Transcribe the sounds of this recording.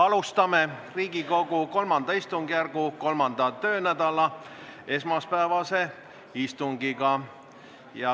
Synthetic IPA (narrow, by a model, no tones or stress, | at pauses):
ɑlust̪ɑme̞riːɡ̥iko̞ɡ̥uko̞lmɑnd̪ɑist̪uŋɡ̥ijærɡ̥uko̞lmɑnd̪̥ɑt̪ø̞ːnæd̪ɑlɑe̞smɑspæevɑse̞ | ist̪uŋɡ̥iɡ̥ɑ | jɑ